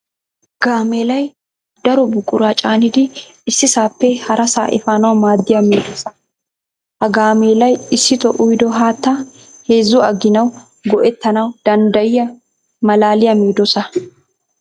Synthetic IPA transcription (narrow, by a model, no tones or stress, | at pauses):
ɡ̥aːmeːlɐj | d̪̥ɐɾɔbʊkʼːʊɾat͡ʃʼaːnɪd̪ɪ | ɪsːɪsaːpːɛhɐɾʔɐsa̰ːʔɛ̰faːnɐwmaːd̪ːɪjɐmiːd̪ɔsɐ̥ | hɐɡaːmeːlɐjɪsːɪt̪ɔʔʊjd̪ɔɦaːt̪ːɐ | he̞ːzːʊɐɡːɪnɐw | ɡɔʔɛt̪ːɐnɐwd̪̥ɐnd̪ɐjɪjɐ | mɐlaːlɪjɐmiːd̪ɔsɐ